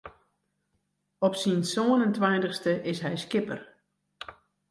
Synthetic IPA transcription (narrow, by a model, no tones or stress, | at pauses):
ɔpsinsoənəntʋajntəxstəʔɪsɦɛjskɪpə̰r